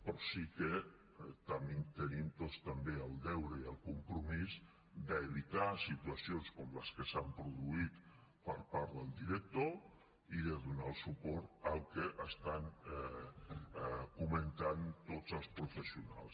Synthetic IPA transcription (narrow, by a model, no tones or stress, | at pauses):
pɾɔsikə | t̪əmimt̪ənimt̪ost̪əmbeəlˠd̪ɛwɾəiəlˠkumpɾumiz | d̪əːβ̞it̪asit̪uəsionskɔmləskəsampɾuðuit̪ | pəɾpaɾðəlˠd̪iɾək̚t̪o | iðəðunalˠsupɔɾt̪əlˠkəʔəst̪an | kumənt̪ant̪ozəlˠspɾufəsiuna̰lˠs